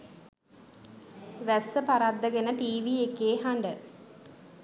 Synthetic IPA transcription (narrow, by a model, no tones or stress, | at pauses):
ʋæsəpaɾad̪ːəɡenəʈiːʋiːekːeːɦaɳɖə